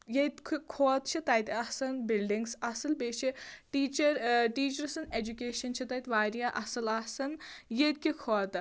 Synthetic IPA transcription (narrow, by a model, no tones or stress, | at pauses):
jet̪kʰkʰoːt̪̚t͡ʃʰit̪ɐjt̪ʲɐhsɐnbilɖiŋɡsɐsɨlbeːʃʰiʈiːt͡ʃɐɾʈiːt͡ʃɐɾsɐned͡ʒukʲeːʃɐnt͡ʃʰit̪ɐjt̪ʲʋaːɾijaʔɐsɨlɐsɐnjet̪̚kʲikʰoːt̪